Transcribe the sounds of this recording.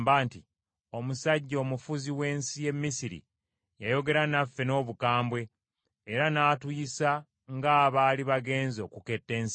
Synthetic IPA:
baːnti | o̞musaɟːo̞ːmufuziwe̞ːnsije̞mːisiɾḭ | jajo̞ɡe̞ɾanafːe̞no̞ːβukaːmbwe̞ː | ɾanaːtwisa | ŋɡaːβaːliβaɡe̞ːnzo̞ːkuke̞tːe̞ːns

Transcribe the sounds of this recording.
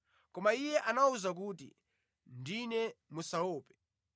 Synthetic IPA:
kɔmaijɛʔanauzak̬uːtḭ | ndinɛmusaɔːpɛ̥

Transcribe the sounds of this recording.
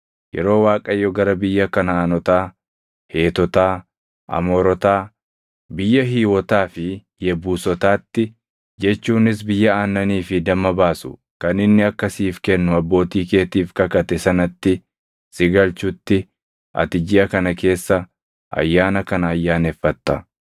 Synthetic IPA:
jɛ̰ɾo̞ːwaːkʼɐjːɔɡɐɾɐbɪjːɐkɐnɐaːnɔt̪aː | he̞ːt̪ɔt̪aː | ʔɐ̰moːɾɔt̪aː | bɪjːɐɦiːwɔt̪aːfɪ | jɛbuːsɔt̪aːt̪ːɪ | d͡ʒɛt͡ʃːuːnɪsbɪjːɐaːnːɐniːfɪd̪ɐmɐbaːsʊ̥̰ | kɐnɪnːɪɐkːɐsiːfkɛnːʊɐbːo̞ːt̪iːke̞ːt̪iːfkɐkɐt̪ɛsɐnɐt̪ːɪ | sɪɡɐlt͡ʃʊt̪ːɪ | ʔɐ̰t̪ɪd͡ʒɪɐkɐnɐke̞ːsːɐ | ʔɐ̰jːaːnɐkɐnɐːjːaːnɛfːɐt̪ːɐ

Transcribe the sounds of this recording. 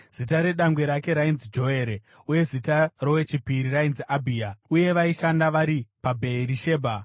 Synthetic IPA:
z̥itaɾe̞ɗaŋɡwe̞ɾake̞ɾainzid͡ʒo̞e̞ɾe | uje̞zitaro̞we̞t͡ʃipiɾirainziʔabʱiauje̞ʋaiʃandaʋaɾipabʱe̞iɾiʃe̞ːbʱa

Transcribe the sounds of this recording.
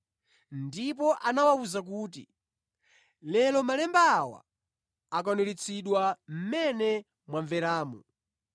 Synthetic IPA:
ndipɔʔanawauzak̬uːt̬ḭ | lɛlɔmalɛmbawa̰ | ak̬ɔnuɾit͡sʰiɗwam̩mɛnɛ | mwaɱvɛɾaːmṵ

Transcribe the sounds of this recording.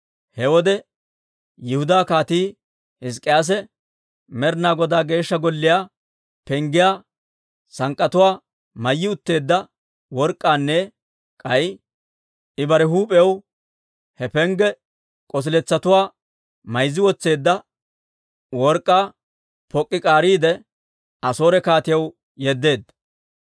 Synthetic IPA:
hɛwɔd̪ɛ | jɪhʊd̪aːkaːt̪iː | hɪs̬kʼːɪjaːs̬ɛ | mɛɾnaːɡɔd̪aːɡe̞ːʃːɐɡɔlːɪjaː | pɛŋɡɪjaː | sɐŋkʼːɐt̪ʊwaː | mɐjːɪʊt̪ːe̞ːd̪ːɐ | wɔɾkʼːaːnːɛ | kʼɐj | ɪbɐɾɛɦuːpʼɛjw | hɛpɛŋɡɛ | kʼɔs̬ɪlɛt͡sːɐt̪ʊwaː | mɐjzːɪwɔt͡sːe̞ːd̪ːɐ | wɔɾkʼːaː | pɔkʼːɪkʼaːɾiːd̪ɛ | ʔɐso̞ːɾɛkaːt̪ɪjɐw | jɛd̪ːe̞ːd̪

